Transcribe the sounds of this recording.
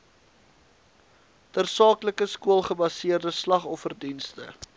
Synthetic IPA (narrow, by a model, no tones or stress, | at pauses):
dərsɑːkləkəskuəlˠχəbɐsiərdəslɐχɔfərdinstə̰